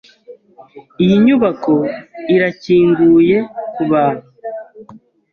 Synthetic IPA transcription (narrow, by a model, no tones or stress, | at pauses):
ijiɲuβako̞iɾaciːŋɡuːje̞kuβaːn̥u